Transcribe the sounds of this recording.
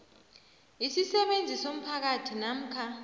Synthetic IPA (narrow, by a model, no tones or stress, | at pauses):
isisɛɓend͡zʱisom̩pʰak̬atʰinam̩kʰa